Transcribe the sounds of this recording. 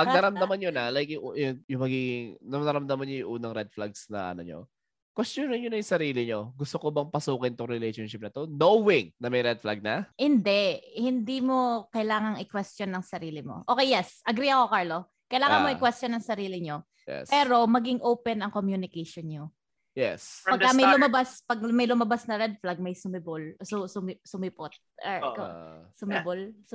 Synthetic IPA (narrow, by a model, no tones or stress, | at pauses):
pɐɡ̚nɐɾɐmd̪ɐmanɲonɐlajk̚jʊŋʔjʊŋjʊŋmɐɡiːɡɪŋnɐnɐɾɐmd̪ɐmanɲojʊŋʔuːnɐŋɾɛd̪̚flaɡsnɐ̰ʔɐ̰no̰ɲo̰ | kwɛst̪onɐnɲʊnɐjʊŋsɐɾiːlɪɲo̞ɡʊst̪okobɐŋpɐsuːkɪnɪt̪ʊŋɾɛlejʃonʃɪp̚nɐt̪o̞nowɪŋnɐmɐjɾɛd̪̚flaɡ̚nɐhɪnd̪ɛʔhɪnd̪iːmo̞kɐjlaːŋɐŋɪkwɛst̪jonːɐŋsɐɾiːlɪmo̰ʔokejːɛsʔɐɡɾiːɐko̞kaɹlo | kɐjɪlaːŋɐnnmoʔɪkwɛst̪t͡ʃjonɐŋsɐɾiːlɪɲo | jɛ̰spɛːɾo̞mɐɡɪŋʔowpɛnɐŋkomjunɪkɛʃonɲo | jɛ̰spɐɡkːamɐjlʊmɐbaspɐɡ̚mɐjlʊmɐbasnɐɾɛd̪̚flɐɡ̚mɐjsʊmɪbʊlsʊsʊmɪsʊmɪpot̪̚ksʊmɪbolsʊ